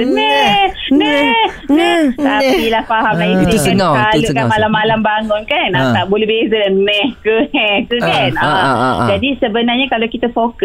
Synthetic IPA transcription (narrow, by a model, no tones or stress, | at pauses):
nɛnɛ | nɛt̪apilahfaɦamlait̪udkaŋkalukamalamːalambaŋʊnkanat̪aʔbolɛɦbezəlanɛ̃hkəɛt̪ukanad͡ʒadisəbənarɲakalowkit̪afokə